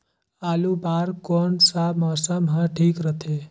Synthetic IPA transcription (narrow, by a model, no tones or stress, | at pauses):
alubaɾkɔnsamɔsəmɦə̃ʈʰikɾət̪ʰe